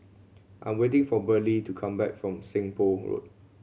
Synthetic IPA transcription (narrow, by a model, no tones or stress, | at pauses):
ʔãj̃mwet̬ɪ̃ŋfɔbəlitukʰãmbɛ̰k̚fɹɔ̃msɪ̃ŋpoɹo̰t̚